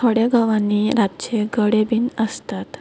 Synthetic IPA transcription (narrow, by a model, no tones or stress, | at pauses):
t̪ʰoɽeɡəʋãnːiɾatt͡ɕeɡəɽebiːnəst̪at̪